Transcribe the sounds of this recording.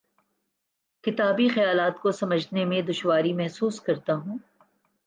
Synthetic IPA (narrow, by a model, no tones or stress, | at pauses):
kɪt̪aːbixɐjaːlaːt̪kosɐməd͡ʒʱnemẽd̪ʊʃwaːɾimɛɦsuːskɐɾt̪aɦũː